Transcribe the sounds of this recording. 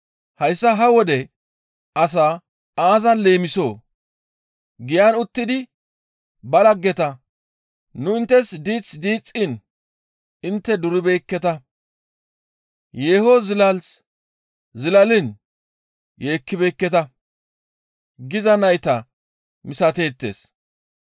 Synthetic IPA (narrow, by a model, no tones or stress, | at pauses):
hɐjsːɐɦɐwɔd̪ɛ | ʔɐs̬aː | aːzɐnle̞ːmɪsoː | ɡɪjanʊt̪ːɪd̪ɪ | bɐlɐɡːɛt̪ɐ | nʊɪnt̪ːɛsd̪iːt͡sʼd̪iːt͡sʼːɪn | ɪnt̪ːɛd̪ʊɾɪbejkːɛt̪ɐ | jeːhozɪlɐls | zɪlɐlɪn | je̞ːkːɪbejkːɛt̪ɐ | ɡɪzɐnɐjt̪ɐ | mɪsɐt̪e̞ːt̪ːḛːs